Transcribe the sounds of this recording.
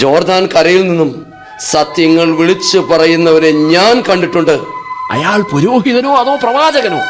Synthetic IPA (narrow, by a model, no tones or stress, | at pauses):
d͡ʑo̞ːrd̪aːnkɐrɐjilninːum | sɐt̪jɐŋːɐɭʋiɭit͡ɕːɨpɐrɐjunːɐʋɐɾeɲaːnkɐɳɖiʈːuɳɖɨɐ̰jaːɭpuɾoːɦiðɐno̞ːɐðoːprɐʋaːd͡ʑɐɣɐno̰ː